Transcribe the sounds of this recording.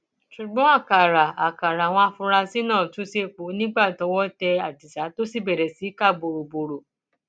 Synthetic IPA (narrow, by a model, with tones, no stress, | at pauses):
ʃu˨ɡ͡bɔ̃˨˦a˦˨ka˨ɾa˨a˨ka˨ɾa˨w̃ɔ̃˧a˧˨fũ˧ɾa˧si˦nãː˦˨tũ˨˦se˧˨k͡po˨˦nĩ˦ɡ͡ba˦˨tɔ˨˧˦wɔ˦tɛ˧a˨di˨sa˨˦to˦si˦˨bɛ˨ɾɛ˨si˨˦ka˦˨bo˨ɾo˨bo˨ɾo˨